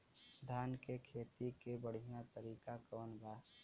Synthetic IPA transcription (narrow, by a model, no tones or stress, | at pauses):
sd̪ʱaːnkekʰeːt̪ikebəɽ̤ijãt̪əɾiːkakəʋənbaːs